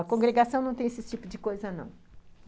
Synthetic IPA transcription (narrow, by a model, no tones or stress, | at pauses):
ɐkõɡɾeɡasɐ̃w̃nɐ̃w̃t̪ẽesɪt͡ʃipʊd͡ʒɪkojzɐnɐ̰̃w̃